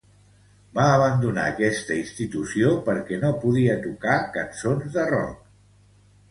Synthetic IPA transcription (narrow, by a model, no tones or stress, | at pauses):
baəβənd̪una̰əkɛst̪əinst̪it̪usiopəɾkɛnopuðiət̪ukakənsonzðərɔ̰k